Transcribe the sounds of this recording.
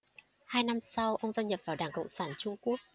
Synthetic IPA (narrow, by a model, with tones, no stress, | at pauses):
haː˧jna˧msa˧wʔə˧wŋ͡mzaː˧nɲə˨˩p̚vaː˨˩wɗaː˧˩ŋkə̰˧˨wŋ͡msaː˧˩nt͡ɕʊ˧ŋ͡mku˦˥ək̚